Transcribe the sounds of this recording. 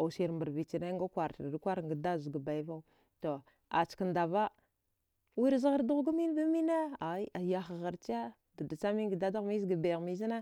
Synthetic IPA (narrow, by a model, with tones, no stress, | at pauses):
a˨si˨ɾmba˨ɾvi˨t͡ʃi˨na˦ŋɡa˦kʷa˨ɾtdkʷa˦ɾŋɡa˨da˦zɡa˨ba˨i˦va˦u˦ | to˨ | a˨t͡ʃka˨nda˨va˦ | wi˦ɾza˦ɣa˦ɾdu˦ɣɡa˦mi˦n˦ba˦mi˦na˦a˨i˦ʔa˨ja˨xa˨ɣa˨ɾt͡ʃa˦ | da˨da˨t͡sa˦mi˦ɡi˨da˦da˦ɣmi˦zɡa˨be˨ɣmi˨zi˦na˦